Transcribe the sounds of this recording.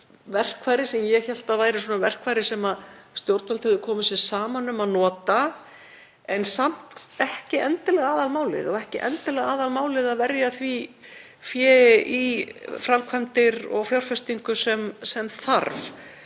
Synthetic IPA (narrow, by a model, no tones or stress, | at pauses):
vɛr̥kʰvaːjɾɪsɛmjɛçɛl̥t̪avaːjɾɪsɔːnavɛr̥kvaːjɾɪsɛmaðst̪jowɾt̪nɔlt̪hɛvðʏkʰɔːmʏsɛsaːmanːʏmaðnɔːt̪a | ɛnsam̥t̪ɛhcɪʔɛnt̪ɪlɛɣaːðalmaːwlɪ̰ðɔɣɛhcɪʔɛ̰nt̪ɪlɛɣaːðalmaːwlɪðaðvɛɾjaθvi | fjɛːʔifɾamkʰvajmt̪ɪɾɔ̰ɣfjawɾr̥fɛst̪iŋkʏsɛmsɛmθaɾv